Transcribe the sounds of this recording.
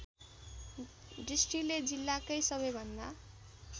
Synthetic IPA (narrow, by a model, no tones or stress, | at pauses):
ɖisʈiled͡zilːakʌjsʌβʌjbʱʌnd̪a